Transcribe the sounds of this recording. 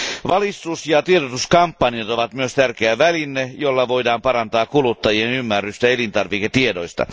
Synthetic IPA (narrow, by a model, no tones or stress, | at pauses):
ʋɑlist̪usjɑt̪ieɾot̪uskɑmpːɑniɑt̪oʋɑt̪myøst̪ærkeæʋælinːejolːɑʋo̞idɑːmpɑɾɑnt̪ɑːkkulut̪ːɑjienymːærːyst̪æelint̪ɑrʋiket̪iedoist̪ɑ̰